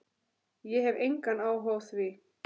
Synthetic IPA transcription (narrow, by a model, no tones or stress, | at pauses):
jɛɦɛvejŋkanaːwɦɔwθvɪ